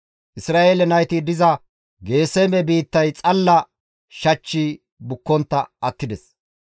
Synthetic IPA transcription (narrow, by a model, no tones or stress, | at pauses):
ʔɪsɾaːʔeːlɛnɐjt̪id̪ɪzɐ | ɡe̞ːsemɛbiːt̪ːɐjt͡sʼɐlːɐ | ʃɐt͡ʃːi | bʊkːɔnt̪ːɐʔɐt̪ːɪd̪ɛs